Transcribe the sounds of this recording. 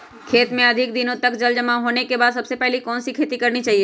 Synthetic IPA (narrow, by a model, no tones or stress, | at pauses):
kʰeːt̪mẽɐd̪ʱɪk̚d̪ɪnõt̪ɐkd͡ʒɐld͡ʒɐmaɦoːnekebaːd̪sɐbsepɛɦlikɔːnsikʰeːt̪ikɐɾnit͡ʃaːɦieː